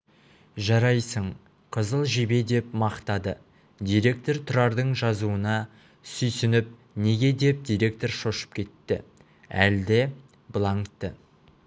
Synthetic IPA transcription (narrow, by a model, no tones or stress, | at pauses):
ʒɑɾɑjsəɴ | qʰəzəlˠʒebe̞d̪e̞pmɑqt̪ɑd̪ə | d̪ijɾe̞k̚t̪o̞ɾt̪ʰʊɾɑɾd̪əɴʒɑzuənɑ | sʏjsʏnɪp̚ | ne̞ɡʲe̞d̪e̞p̚d̪ʲijɾʲe̞k̚t̪o̞rʃo̞ʃə̥p̚kʲʰe̞t̪ːɪ̰ | æ̰ld̪ɪ | bəlˠɑŋt̪ːə